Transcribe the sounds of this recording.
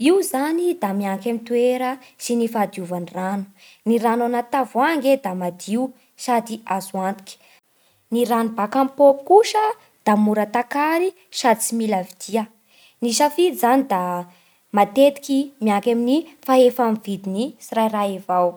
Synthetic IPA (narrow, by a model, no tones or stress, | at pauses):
iwzanid̪amiaŋkamit̪ueɾəsinifad̪iuvanranu̥ | niɾananat̪avuaŋɡed̪amad̪iu | sad̪iazuant̪i̥kʲi̥ | niɾanubakampokuʃə | d̪̥amuɾət̪akaɾi | sad̪t͡similavid̪̥iə | niʃafid̪izanid̪a | mat̪et̪i̥kimiaŋkaminifaefamvid̪inisirajraevaw